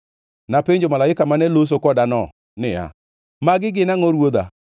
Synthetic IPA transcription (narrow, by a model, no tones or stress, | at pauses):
napeɲd͡ʒomalaɪkamanɛlos̬okɔdanɔ | nɪja̰ | maɡɪɡɪnaŋɔɾwod̪a̰